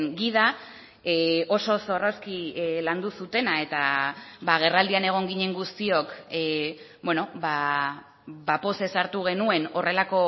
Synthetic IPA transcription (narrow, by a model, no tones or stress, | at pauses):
ɡiða | eo̞so̞so̞roskiland̪usut̪e̞nae̞t̪aβaɣ̞e̞rald̪iane̞ɣ̞o̞ŋɡiɲe̞ŋɡust̪io̞k | bwe̞no̞ba | bapo̞se̞saɾt̪uɣ̞e̞nue̞no̞re̞lako̞